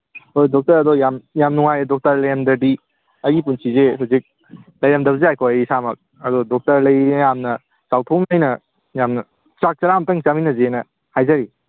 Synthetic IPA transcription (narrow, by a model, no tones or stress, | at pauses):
ojdɔk̚tɐɾɐdojamjamnuŋajdɔk̚tɐɾlɐjɐmdɐdi | ɐɡip̬unsizeɦuzik̚ | lɐjɾɐmdɐbzeajkʰojɐjisamɐk̚ | ɐdɔdɔk̚tɐɾlɐjjamnɐ | t͡ʃawtʰowmajnɐ | jamnɐ | t͡ʃak̚t͡ʃɐɾamtɐŋt͡ʃaminɐzenɐ | hajzaɾi